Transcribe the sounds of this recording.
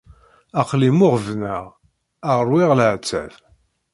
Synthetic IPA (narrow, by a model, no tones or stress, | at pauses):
æqlimʊʁvnəʁ | aʁəɾwɪʁlʕt͡sːæ̰v